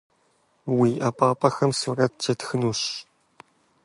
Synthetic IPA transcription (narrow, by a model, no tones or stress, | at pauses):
wiːʔɐpʼaːpʼɐxɐmsurɐt̚d͡ʒɐtxɨnuːɕ